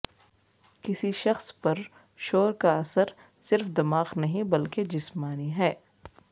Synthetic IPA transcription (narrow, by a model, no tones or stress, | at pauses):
kɪsiʃɐxspɐɾ | ʃoːɾkaɐsəɾ | sɪɾfd̪ɐmaːqnɐɦĩbɐlked͡ʒɪsmaːniɦɛː